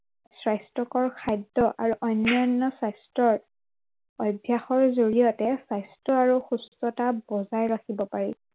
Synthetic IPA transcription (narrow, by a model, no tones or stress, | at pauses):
sɹajstɔkɔɹkʰajdːɔʔa̰ɹuʔɔjnːɔnːɔsajstɔɹ | ɔjbʱjaxɔɹzoɹijɔtɛsajstɔaɹuxustɔtabɔzajɹaxibɔpaɹi